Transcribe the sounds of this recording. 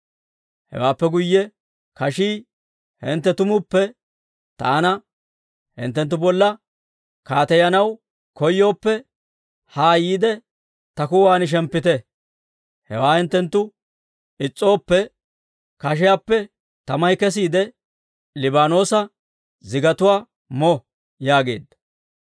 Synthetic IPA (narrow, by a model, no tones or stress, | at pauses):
hɛ̰waːpːɛɡʊjːɛ | kɐʃiː | hɛnt̪ːɛt̪ʊmʊpːɛ | t̪ɐ̰ːnɐ | hɪ̰nt̪ːɛnt̪̬ːʊbɔlːɐ | kaːt̪ɛjɐnɐw | kɔjːo̞ːpːɛ | haːjiːd̪ɛ | t̪ɐkʊwaːnɪʃ̬ɛmpːɪt̪ɛ | hɛ̰waːhɪnt̪ːɛnt̪ːʊ | ɪt͡sʼːo̞ːpːɛ | kɐʃ̬ɛjaːpːɛ | t̪ɐmɐjkɛs̬iːd̪ɛ | lɪbaːno̞ːsɐ | zɪɡɐt̪ʊwaː | mɔ | jaːɡe̞̰ːd̪ːɐ̥